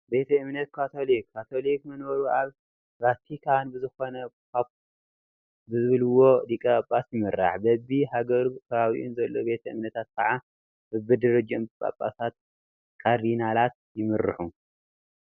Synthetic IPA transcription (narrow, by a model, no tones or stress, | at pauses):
be̞t̪ʰɐɨmnɐt̪̚kʰat̪ʰo̞likʰːat̪ʰo̞likmɐnbɐɾuʔaβ | ɾat̪ʰikʰanbɨzɨxo̞nɐka | bɨzɨβɨlɨwo̞d̪ikʼɐapʼːasjɪmɨɾa̰ħbɐbihaɡɐɾut̪ʰɐβawḭʔunzɐlːobe̞t̪ʰɐɨ̰mnɐt̪ʰat̪̚kʰɐʕa | bɨbɨd̪ɨɾɐd͡ʒɐmkʼa̰pʼːa̰sat̪̚ | kʰaɾinalat̪̚ | jɪmɨɾɨħu